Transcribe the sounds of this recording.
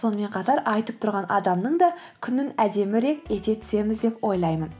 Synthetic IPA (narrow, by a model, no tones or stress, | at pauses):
so̞nəme̞ɴqʰɑt̪ɑɾɑjt̪əp̚t̪ʰʊɾʁɑnʔɑ̰d̪ɑmnəɴd̪ɑ | kʲʰʏnɪnæd̪e̞mɪɾe̞ke̞t̪e̞t̪ʰʏ̥se̞mɪzd̪e̞pwo̞jlˠɑjmən